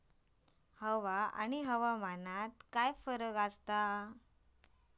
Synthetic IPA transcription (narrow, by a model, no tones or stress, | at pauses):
həʋaa̰ñiɦəʋamanat̪kajfəɾəɡast̪a